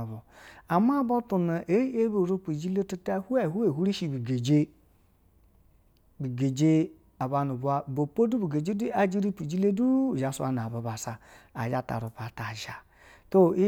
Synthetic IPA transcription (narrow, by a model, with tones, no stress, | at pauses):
bo˨a˨ma˦bo˦tu˨na˨ʔe˦e˦be˨ɾu˦pi˨d͡ʒi˦le˦tu˦ta˦hu˦a˦˨ɦu˦e˨ɦu˦ɾi˦ʃi˨bi˨ɡe˨d͡ʒe˦ | bi˨ɡe˨d͡ʒe˦ | a˨ba˨nu˨ba˦bo˨po˦du˦bu˨ɡe˨d͡ʒe˦du˦a˦d͡ʒi˦ɾi˦pi˨d͡ʒi˦le˦du˦˨d͡ʒa˨sa̰˦n˨a˨ba˨ba˨sa˨a̰˨d͡ʒa˦ta̰˨ɾu˨pa˨ta˨ʒa˨ | to˦i˦